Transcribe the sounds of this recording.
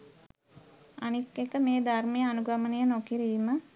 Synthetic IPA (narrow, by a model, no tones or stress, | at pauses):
anikːekəmeːd̪armejəanuɡamənejənokiɾiːmə